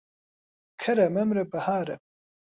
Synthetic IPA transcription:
kʰɐɾɐmɐmɾɐbɐhaːɾɐ

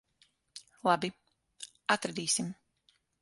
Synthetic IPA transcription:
lˠabi | at̪ɾad̪iːsim

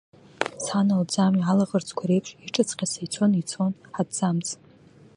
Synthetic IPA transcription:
sħanald͡zamialaʁərt͡sʰʼkʷʰaɾe̞jpʰʃiʈ͡ʂʼat͡sʰʼqʲʰasajt͡sʷʰo̞nit͡sʰo̞nħadd͡zamt͡sʼ

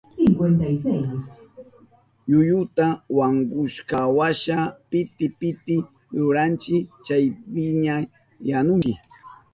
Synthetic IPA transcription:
ɪŋɡwent̪ajsajas | jʊjʊt̪awaŋɡʊʃkawaʃapɪt̪ɪpɪt̪ɪ | jʊɾant͡ʃɪt͡ʃajpɪɲa | janʊŋt͡ʃɪ

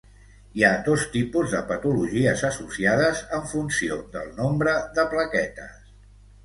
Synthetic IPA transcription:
iad̪ost̪ipuzðəpət̪uluʒiəzəsusiaðəzəɱfunsiod̪ə̰lˠnombɾəðəpləkɛt̪ə̰s

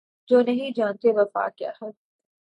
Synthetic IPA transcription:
d͡ʒoːnɐɦĩd͡ʒãːnt̪eʋɐfa̰ːkja̰ːhɛː

